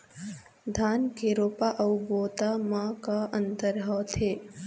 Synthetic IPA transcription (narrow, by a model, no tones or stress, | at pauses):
d̪ʱaːnkeɾoːpaʔɐwboːt̪amãkaə̃nt̪əɾɦɔːt̪ʰeː